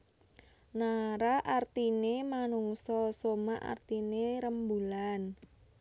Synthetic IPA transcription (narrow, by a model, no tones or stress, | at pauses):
naɾaʔart̪inemanuŋsɔsomaʔa̰rt̪ineɾəmbulan